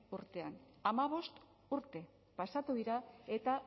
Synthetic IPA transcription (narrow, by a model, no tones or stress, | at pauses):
uɾt̪e̞an | amaβ̞o̞st̪ | uɾt̪e̞ | pasat̪uðiɾae̞t̪a